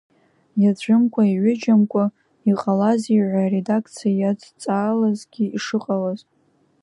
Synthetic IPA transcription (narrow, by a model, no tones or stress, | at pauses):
jad͡ʒʷʊmkʷʼaiʕʷʊd͡ʒamkʷʼa | iqʼalaziʕʷare̞dakʰt͡sʰijajad͡zt͡sʼaːlazɡʲiiʂɨqʼalaz